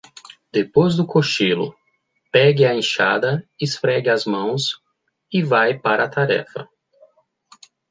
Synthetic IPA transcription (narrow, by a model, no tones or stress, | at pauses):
d̪̥epojzd̪ʊkoʃilʊ̰ | pɛɡɪɐẽʃa̰d̪ɐɪsfɾɛɡɪɐzmɐ̃w̃s | ɪvajpaɾɐat̪aɾɛ̰fɐ̰